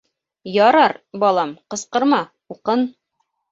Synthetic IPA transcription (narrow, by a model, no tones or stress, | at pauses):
jɒɾɑɾbɒlˠɑmqɤ̆sqɤ̆ɾmɑ | uqɤn